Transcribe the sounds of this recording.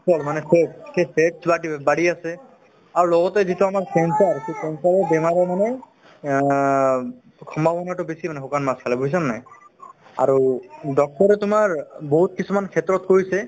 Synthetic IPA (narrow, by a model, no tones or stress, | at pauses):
sɔlmanɛseʈskeseʈsbaʈibaɽiasɛ | aɹulɔɡɔtɛzitʊamaɹsɛnsaɹsesɛnsaɹɛbɛmaɹɛmanɛ | kʰɔmbabɔnaʈʊbisimanɛɦokanmaskʰalɛbois̬annɛ | a̰ɹudɔk̚tɔɹɛtʊmaɹboɦut̚kisumankʰetɹɔtkoɹisɛ